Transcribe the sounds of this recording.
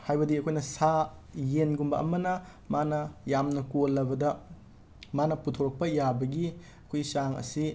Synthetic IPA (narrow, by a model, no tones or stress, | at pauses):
hajbɐdiɐkʰojnɐsajenɡumbɐɐ̰mɐnɐ | manɐjamnɐkolːɐbɐdɐ | manɐputʰoɾɐk̚pɐjabɐɡi | ɐkʰojsaŋɐ̰si